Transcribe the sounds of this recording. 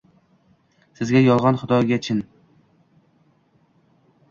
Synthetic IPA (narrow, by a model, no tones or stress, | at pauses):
sɪzɡʲajɒlˠʁɑnχʊd̪ɒɡʲat͡ʃʰɪn